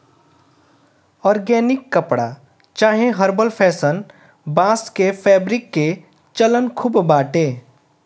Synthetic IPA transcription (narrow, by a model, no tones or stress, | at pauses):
ɔːɾɡɛːnɪkːəpɽa̰ | t͡ʃaːɦẽɦəɾbəlpʰɛːsən | bãːskepʰɛːbɾɪkːe | t͡ʃələnkʰubbaːʈeː